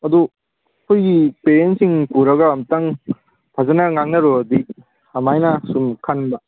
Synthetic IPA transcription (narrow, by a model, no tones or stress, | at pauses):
ɐd̪u | kʰujɡipeɾentsiŋpuɾɐɡɐːmtaŋ | pʰazanɐŋaŋnɐɾodik̚ | ɐmajnɐsumkʰanbɐ